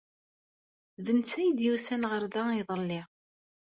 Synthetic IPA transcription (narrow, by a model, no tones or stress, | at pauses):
ðənt͡sːæjd̪jusænʁəɾðaiðˤəlːi